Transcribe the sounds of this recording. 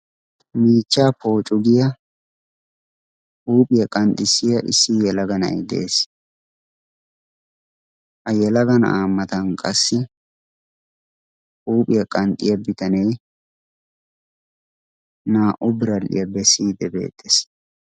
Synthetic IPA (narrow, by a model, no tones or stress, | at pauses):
miːt͡ʃːaːpo̞ːt͡ʃʼʊɡɪjɐ | huːpʼɪjɐkʼɐnt̪ʼːɪsɪjɐʔɪsːɪjɛlɐɡɐnɐ̰jd̪ḛːs | hɐjɛlɐɡɐnaːmːɐt̪ɐnkʼɐsːɪ | huːpʼɪjɐkʼɐnt̪ʼɪjɐbɪt̪ɐnɛj | naːʔʊbɪɾɐlʔɪ̰jɐbɛsiːd̪ɛbe̞̰ːt̪ʼːes